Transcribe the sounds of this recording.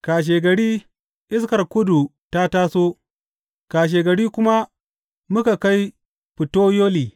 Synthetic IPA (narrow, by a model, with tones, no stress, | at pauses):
kaː˨ʃ̬eː˨ɡɐ˨ɽiː˦ | ʔɪ˦s̬kɐ˨rkʊ˦du˨ | ta˦taː˦soː˦ | kaː˨ʃ̬eː˨ɡɐ˨ɽiː˦kʷʊ˦ma˦ | mʊ˦ka˨ka˦j | ɸɪ˨toː˦joː˦liː˨